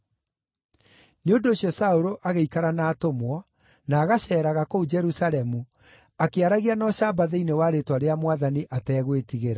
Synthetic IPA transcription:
neondoːsjɔsaoɾoʔaɣeikaɾanaːtomwɔ | naːɣaɕɛːɾaɣakoud͡ʒɛɾusaɾɛmu | akeaɾaɣianɔɕabaðeinewaɾetwaɾeamwaðaniʔatɛːɣwetiɣeɾa

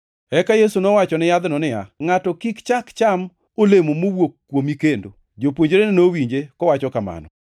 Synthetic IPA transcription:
ɛkajesunɔwat͡ʃɔnɪjad̪nɔnɪja̰ŋatɔkikt͡ʃakt͡ʃam | olemomowokːwomikendo̰ | d͡ʒopwoɲd͡ʒɾenɪnowiɲd͡ʒekɔwat͡ʃɔkama̰nɔ̰

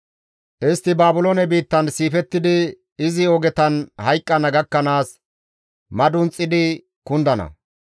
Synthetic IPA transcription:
ʔɪst̪ːɪbaːbʊloːnɛbiːt̪ːɐnsiːfɛt̪ːɪd̪ɪ | ɪzɪɔɡɛt̪ɐnhɐjkʼːɐnɐɡɐkːɐnaːs | mɐd̪ʊnt͡sʼːɪd̪ɪ | kʊnd̪ɐnɐ̰

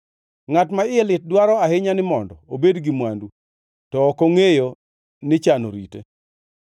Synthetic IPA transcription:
ŋatmaɪelɪt̚dwaɾɔahɪɲanɪmɔndɔobedɡɪmwandu | tɔːkoŋejo | nɪt͡ʃano̰ɾḭtḛ

